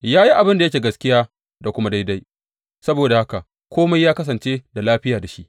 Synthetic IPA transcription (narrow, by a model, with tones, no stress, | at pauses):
jaː˦ji˦ʔa˨bɪ˦nda˨jɐ˦kʲeː˨ɡɐ˦skʲɪ˦jaː˦ | da˨kʷʊ˦ma˦da˦jda˦j | sɐ˦boː˨da˨ha˦ka˨ | kʷʰoː˦ma˦jaː˦kɐ˦s̬ɐ˨nt͡ʃeː˦da˨laː˦ɸɪ˦jaː˨da˨ʃḭ˦ʔ